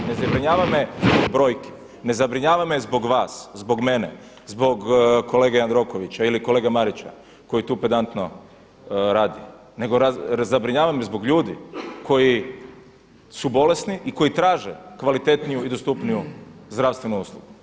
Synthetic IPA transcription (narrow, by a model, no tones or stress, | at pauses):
ne̞zabɾiɲaːʋamezbobɾo̞ːjke̥ | ne̞zabɾiɲaːʋamezbo̞ɡʋaːszbo̞ɡme̞ne | zbo̞ɡko̞le̞ːɡeand̪ɾo̞ko̞ʋit͡ɕailikole̞ːɡamaɾit͡ɕa̰ | ko̞jit̪uːped̪ant̪no | ɾaːd̪ḭ | ne̞ɡoɾazabɾiɲaːʋamezbo̞ɡʎuːd̪ikʰo̞ji | subo̞le̞sniʔiko̞jit̪ɾaːʒḛkʋalit̪e̞t̪nijuid̪o̞st̪upnijuzd̪ɾaʋst̪ʋenuuːslˠuɡu